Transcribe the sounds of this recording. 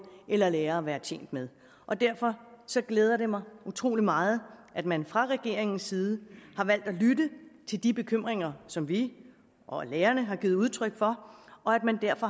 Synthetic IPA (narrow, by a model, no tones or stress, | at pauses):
ʔelɐleːɐæʋæːɐt͡sʰḛŋn̰d̥með̞ˠ | ʔɒ̽d̥æɐfɒ̽sɒ̽ɡ̥leːð̞ˠɐɾe̝mɑ̈ɪut͡sʰʁo̝̰ːlimɑ̈ːð̞̩ˠʔæd̥mænfʁɑ̈ʁɛɡ̥e̝̰ɐ̰eŋn̩sːiːð̞ˠəhɑ̈ʋæl̰d̥ælyɾət͡sʰe̝ld̥ib̥e̝kʰøm̰ʁeŋɐsɒ̽mʋi | ʔɒleːɐnəɦɑ̈ɡ̥iːð̩ˠuð̞ˠt͡sʰʁœɡ̥fɒ̽ɒ̽æd̥̚mænd̥æɐfɒ̽